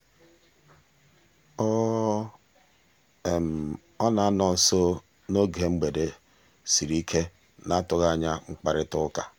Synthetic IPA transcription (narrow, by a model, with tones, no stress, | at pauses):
ɔ˦ | e˨m̩˨ | ɔ˦na˨˦nɔ˨n̩˨so˦ | no˦ɡe˨ŋ͡m̩˦ɡ͡be˨de˨ | si˨ɾi˦kʰe˦ | na˦tʊ˨ɣa˦˨ɲa˦ŋ͡m̩˦k͡pa˦ɾɪ˦tʊ˦ka˨